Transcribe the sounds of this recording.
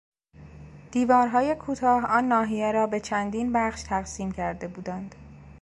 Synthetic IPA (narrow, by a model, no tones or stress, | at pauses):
d̪̥iːvɒːɾɦɒːje̞kʰuːt̪ʰɒːhɒːnːɒːɦijeɾɒːbe̞t͡ʃʰænd̪iːnbæχʃt̪ʰæɣsiːmcʰæɾd̪e̞buːd̪ænd̪̥